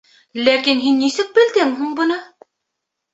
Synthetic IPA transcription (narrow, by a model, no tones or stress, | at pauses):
lækinɦinːisɘk̚bɘ̆ld̪ɘŋɦuɴbɤ̆nɤ